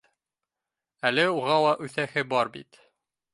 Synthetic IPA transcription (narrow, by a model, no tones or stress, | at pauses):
ælɘuʁɑw̪ˠɑʔʉθæhɘbɒɾbḭt̪